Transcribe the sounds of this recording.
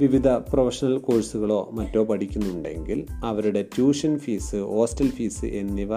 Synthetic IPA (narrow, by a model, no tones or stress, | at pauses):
ʋiʋid̪ʱɐprɐfɐʂɐnɐlkoːɻsuɣɐɭo̞ːmɐtːo̞ːpɐʈikʲːunːuɳɖe̞̰ŋɡilɐʋɐɾuɽe̞tjuːʂɐnfiːsɨo̞ːstɐlfiːsɨ̰ʔe̞nːiʋɐ